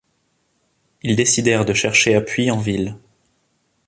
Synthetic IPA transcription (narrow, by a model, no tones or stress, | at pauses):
ild̪esid̪ɛʁd̪əʃɛʁʃeapɥiɑ̃vil